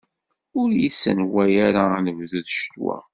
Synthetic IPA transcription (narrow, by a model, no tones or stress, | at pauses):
ʊɾjisənwæjaɾanəvðuðʃt̪wæ̰